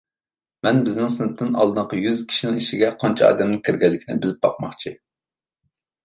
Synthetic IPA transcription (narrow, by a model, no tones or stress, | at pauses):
mɛnbɪznɪŋsɨnɨp̚t̪ʰːɨnɑ̰lˠd̪ɨqɑjyzkʲʰi̥ʃinɪŋiʃiɡʲɛqʰɑnt͡ʃʰɑɑ̰ːd̪ɛmnɪkʲʰiɾɡʲɛlːɪkʲʰinɪ̰bɪlɪp̚bɑqmɑχt͡ʃʰi